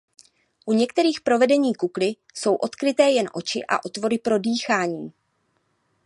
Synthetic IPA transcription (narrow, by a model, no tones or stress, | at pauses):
ʔuɲɛk̚t̪ɛɾiːxpɾo̞vɛdɛɲiːkuklɪ | so̞wʔo̞t̪kɾɪt̪ɛːjɛnʔo̞t͡ʃɪ̰ʔa̰ʔo̞t̪vo̞ɾɪpɾo̞diːxaːɲiː